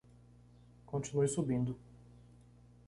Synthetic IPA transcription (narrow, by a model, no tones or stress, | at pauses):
kõnt͡ʃinujsubĩnd̪ʊ